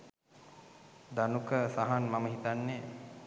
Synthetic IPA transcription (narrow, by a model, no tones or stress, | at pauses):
d̪anukəsaɦanmaməɦit̪anːe